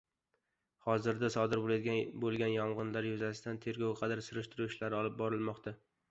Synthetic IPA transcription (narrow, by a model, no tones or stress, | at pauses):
hɒzɪɾd̪asɒd̪ɪɾbolabolˠɡʲanjɒmʁɨnlaɾjʊzasɪd̪ant̪ʰe̞ɾɡʲɒwqʰɑd̪aɾsʊɾɪʃt̪ʰɪɾuɪʃlaɾɪɒlˠɪp̚bɒɾɪlˠmɒqt̪ʰa